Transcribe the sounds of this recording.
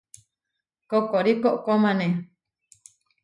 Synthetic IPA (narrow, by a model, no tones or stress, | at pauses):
kokoɾikoʔkomãnẽ